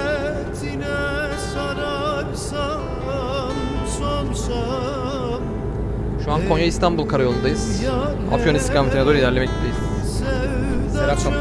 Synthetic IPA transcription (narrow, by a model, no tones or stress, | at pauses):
t̪ʰinɛ | saɾaksa | somsa | ʃuankʰonjaist̪ʰanbulˠkʰaɾajolˠund̪ajɯz̥ | a̰fjoniscamt̪ʰinead̪oilʲæɾlʲemɛcd̪eil | sɛvseɾaksa